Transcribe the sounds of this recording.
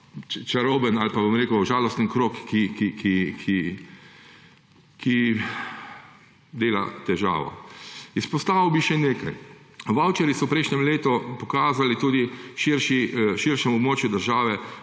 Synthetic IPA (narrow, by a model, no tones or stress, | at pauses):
t͡ʃt͡ʃaɾoːbənalpabomɾeːkəwʒaːlɔst̪ənkɾoːkːikikʰikʰi | kʰi | d̪eːla̰t̪ɛʒa̰ːʋɔ̰ispɔst̪aːʋiwbiʃɛneːkajʋawt͡ʃɛɾjisɔpɾɛjʃnɲɛmleːt̪ɔpɔkaːzalit̪uːd̪iʃiɾʃiʃiɾʃɛmɔbmoːt͡ʃjud̪əɾʒaːʋɛ